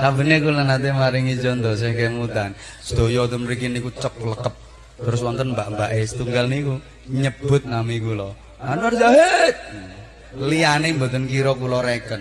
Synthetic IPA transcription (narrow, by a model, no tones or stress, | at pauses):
sambənekulənat̪̬emaɾɪŋid͡ʒɔnd̪ɔs̬ehkemut̪an | sə̥d̪̥o̤jɔd̪ɔmɾikinikut͡ʃəp̚ləkəp̚ | t̪əɾʊs̬wɔnt̪ənmbaʔmbaʔesə̥t̪uŋɡalniku | ɲəb̥ʊ̤t̪̚namikulɔ | nanuard͡ʒaɦet̪̚ | lianembo̤t̪ənkiɾɔkulɔɾekən